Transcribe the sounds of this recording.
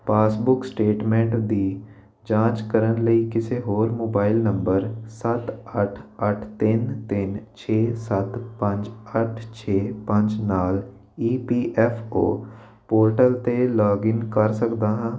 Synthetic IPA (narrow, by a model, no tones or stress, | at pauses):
paːsbʊksʈeːʈmɛ̃ːɳʈd̪iː | d͡ʒãːt͡ʃkəɾənləikɪseɦoːɾmoːbaːɪlnə̃mbəɾsət̪əʈʰəʈʰt̪ɪnt̪ɪnt͡ʃʰeːsət̪pə̃ɲd͡ʒəʈʰt͡ʃʰeːpə̃ɲd͡ʒnaːl | iːpiːʔɛːfo̰ː | poːɾʈəlt̪elɔːɡɪŋkəɾsəkd̪aːɦɛ̃ː